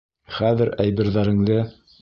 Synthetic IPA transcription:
χæðɘ̆ɾæjβɘ̆ɾðæɾɘ̆ŋlɘ

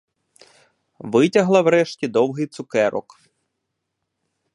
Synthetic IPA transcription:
ʋɪtʲɐɦlˠɐwɾɛʃtʲid̪ɔwɦɪjt̪sʊkɛɾɔ̰k

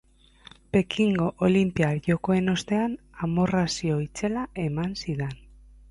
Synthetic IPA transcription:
pe̞kʰiŋɡo̞ʔolimpiaɾʝo̞ko̞e̞no̞st̪e̞an | amo̞rasio̞it͡se̞lae̞mansiðe̞n

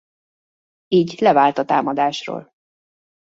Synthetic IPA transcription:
iːɟlɛvaːlt̪ɒt̪a̰ːmɒd̪aːʃro̰ːl

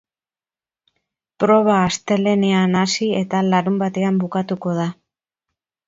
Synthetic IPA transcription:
pɾo̞β̞aːst̪e̞le̞ne̞anasie̞t̪alaɾumbat̪e̞ambukat̪uko̞ða

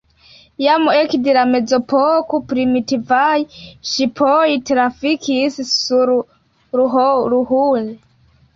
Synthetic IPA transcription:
jamuekdelame̞d͡zopokopɾimitivajʃipʰojtɾafikʰissuɾ | ɾuɦoɾuɦue

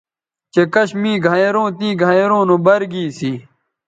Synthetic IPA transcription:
t͡ɕekɐɕmĩːɡʱaeɾõːt̪ĩːɡʱajeɾõːnõːbɐɾɡiːsiː

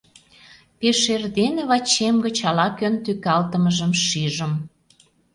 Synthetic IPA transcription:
peʃerd̪eneβɑt͡ɕːemɡət͡ɕɑlɑkønt̪ykɑlt̪əməʒəmʃiʒəm

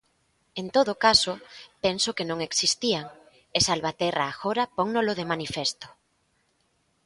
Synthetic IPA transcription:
ent̪oðokasoʊpensokenõŋeksist̪iaŋ | esalβat̪ɛraːxoɾapoŋnoloðemanifest̪ʊ̥

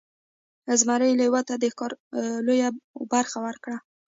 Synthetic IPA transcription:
azmaɾəjlajwat̪ad̪əxkɑɾlojabaɾxawəɾkɽa

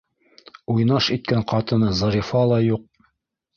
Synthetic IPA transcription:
ujnɑʃit̪̚kæɴqɑt̪ɤ̆nɤzɤ̆ɾifɑlˠɑjuq̚

